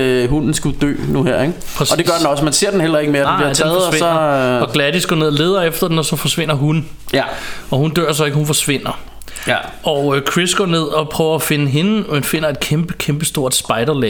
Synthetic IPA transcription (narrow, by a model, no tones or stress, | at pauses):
ɦunn̩sɡ̥ud̥ø̰ːnuheɐ̰eɡ̥ | pʰʁɛsɒd̥e̝ɡɶɐd̥nɒ̽smænse̝ɐ̰d̥enel̰ɐe̝ɡ̥əmeːɐd̥liɐdt͡sʰːð̩ˠʋeɒɒ̽ɡ̥læd̥isɡ̥ɔ̰ne̝ð̞̰ˠɒ̽le̝ːð̞ˠɐefd̥ɐd̥enɒ̽sɒ̽fɒ̽sʋe̝n̰ɐɦun | ɒ̽hund̥ø̰ɐ̰s̬ɒ̽e̝ɡ̥əhunfɒ̽sʋe̝n̰ɐ | ɒkʰʁisɡ̥ɒ̰ːne̝ð̞̰ˠɒ̽pʰʁœːʊɐæfe̝nəɦe̝nəmenfe̝n̰ɐe̝d̥̚kʰemb̥əkʰemb̥əsd̥o̝ɐ̰d̥sb̥ɑ̈ɪɾ̥ɐlɛ